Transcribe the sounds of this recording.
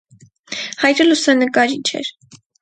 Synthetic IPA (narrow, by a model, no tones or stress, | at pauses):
hɑjɾəlusɛnəkɑɾit͡ʃʰɛ̰ɾ